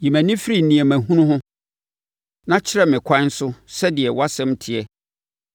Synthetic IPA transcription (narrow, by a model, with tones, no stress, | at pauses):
ji˨mæ̃˨nĩ˦fɪ˦ɾi˨n˨nĩ˨ɛ˨mæ̃˨ɦũ˦nʊ̃˦ɦʊ̃˦ | nã˦t͡ɕʰɪ˦ɾɛ˦mɪ̃˨kʰʷã˦n˦sʊ˦sɛ˦dɪ˨ɛ˨wa˦sɛ̃˦mtʰɪ˨ɛ˦